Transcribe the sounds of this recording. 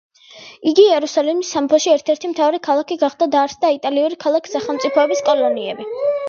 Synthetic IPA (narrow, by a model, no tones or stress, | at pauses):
iɡiɛɾusalɛmisːampʰɔʃiɛɾt̪ʰɛɾt̪ʰimt̪ʰavaɾikʰalˠakʰiɡaχd̪ad̪aɾsd̪ait̪ʼaliuɾikʰalˠakʰi̥saχɛlˠmt̪sʼipʰɔɛbiskʼɔlˠɔniɛbi